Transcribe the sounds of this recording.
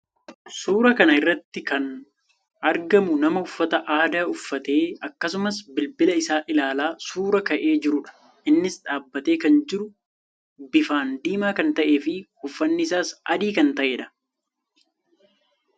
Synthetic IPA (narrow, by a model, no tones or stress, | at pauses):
suːɾɐkɐnɐɪrːɐt̪ːɪkɐn | ɐɾɡɐmʊnɐmɐhʊfːɐt̪ɐʔaːd̪aːʊfːɐt̪e̞ːɐkːɐs̬ʊmɐsbɪlbɪlɐɪsaːʔɪlaːlaːsuːɾɐkɐʔe̞ːd͡ʒɪɾʊᶑɐ̥ | ʔɪnːɪsᶑaːbːɐt̪e̞ːkɐnd͡ʒɪɾʊ | bɪfaːnd̪iːmaːkɐnt̪ɐʔe̞ːfɪhʊfːɐnːɪɪs̬aːsɐ̰d̪iːkɐnt̪ɐʔe̞ːᶑɐ̥